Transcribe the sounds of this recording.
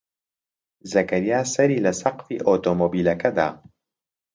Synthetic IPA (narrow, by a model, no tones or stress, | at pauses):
zɐkɐɾijaːsɐɾiːlɐsɐqfḭːʔoːt̪oːmoːbiːlɐkʰɐd̪a̰ː